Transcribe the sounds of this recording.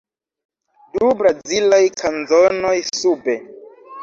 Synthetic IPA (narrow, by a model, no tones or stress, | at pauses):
dubɾazd͡zilajkʰanzono̞jsube̞